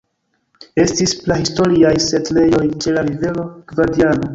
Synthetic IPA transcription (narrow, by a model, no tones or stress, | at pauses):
e̞stisplahisto̞ɾiajse̞tle̞jo̞jt͡ʃe̞laɾive̞lo̞ɡ̥vadiano̞